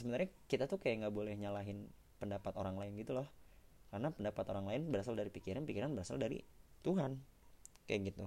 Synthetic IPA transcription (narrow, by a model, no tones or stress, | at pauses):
səbənaɾɲakit̪at̪ukajaŋɡabolɛhɲalaɦɪn | pəndapat̪oɾaŋlaɪnɡit̪ulɔhkaɾnapəndapat̪oɾaŋlaɪnbəɾasaldaɾipikiɾanpikiɾanbəɾasa̰ldaɾḭt̪uɦan | ka̰jaɡit̪u